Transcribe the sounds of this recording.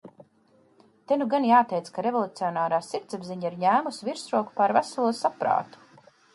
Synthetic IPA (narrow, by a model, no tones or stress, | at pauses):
t̪enuɡanjaːt̪ɛjt̪skaɾevolˠut̪siɔnaːɾaːsiɾt̪sabziɲaiɾɲæːmusiviɾsɾuɔku̥paɾvæsalˠuɔsapɾa̰ːt̪u̥